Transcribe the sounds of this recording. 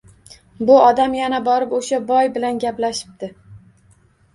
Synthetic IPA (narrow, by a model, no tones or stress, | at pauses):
bʊɒd̪amjanabɒɾɪpoʃabɒjbɪlanɡʲaplaʃɪ̥p̚d̪ɪ